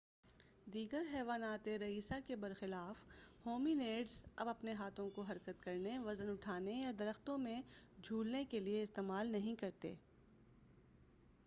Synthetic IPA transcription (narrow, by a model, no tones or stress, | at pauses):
d̪iːɡəɾɦɛːʋaːnaːt̪eɾɐiːsakebɐɾxɪlaːfhoːmineːɖzɐbɐpneɦaːt̪ʰõkoɦɐɾkət̪kɐɾneʋɐzənʊʈʰaːnejɐd̪ɐɾəxt̪õmẽd͡ʒʱuːlnekelieɪst̪eːmaːlnɐɦĩkɐɾt̪ḛː